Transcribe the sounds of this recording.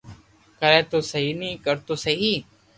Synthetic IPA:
kəɾɛ̃ːt̪oːsəɦiːnĩːkəɾt̪oːsəɦiː

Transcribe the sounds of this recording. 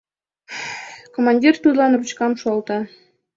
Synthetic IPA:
komɑnʲdʲirt̪ud̪əlɑnrut͡ɕkɑmʃuɑlt̪ɑ

